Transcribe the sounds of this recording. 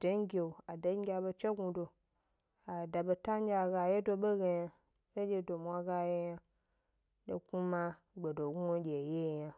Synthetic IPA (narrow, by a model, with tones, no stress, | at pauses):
de˦ŋ˦ɡʲe˨o˨a˨de˨˦ɡʲa˧be˧t͡ʃe˦ɡu˧do˧ | a˨da˨be˧ta˦ŋ˦ɡʲa˧˨ɡa˧˨je˦do˧ɓe˦ɡe˧ja˧ | e˦d͡ʒʲe˧do˨mʷa˧ɡa˧je˧˦ja˧ | ɗo̰˧ku˦mã˧ | ɡ͡be˨do˨ɡu˦o˦ɡʲe˨je˦˨ja˧